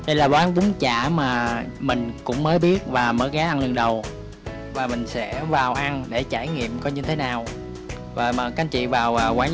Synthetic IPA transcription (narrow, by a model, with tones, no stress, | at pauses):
ɗə˧jlaː˨˩ɓwaː˨˦nvʊ˨˦ŋ͡mt͡ɕaː˧˩maː˨˩mï˨˩ŋ̟kʊ̰˧˥ŋ͡mməː˨˦jɓi˦˥ət̚vaː˨˩məː˨˦jɣaː˨˦ʔa˧nlɨ˨˧ənɗə˨˩w | vaː˨˩mï˨˩ŋ̟sɛ̰˧˥vaː˨˩wʔa˧nɗe˧˩t͡ɕaː˧˩jŋḭ˧˨əmkɔ˧˦ɲɨ˧t̪ʰe˨˦naː˨˩w | vəː˨˩jməː˨˩ka˨˧˦nt͡ɕḭ˧˨vaː˨˩wʔəː˨˩kwaː˧˩˦